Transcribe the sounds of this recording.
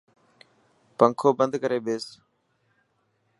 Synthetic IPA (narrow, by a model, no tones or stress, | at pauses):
pəŋkʰoːbənd̪ʱkəɾeːɓeːs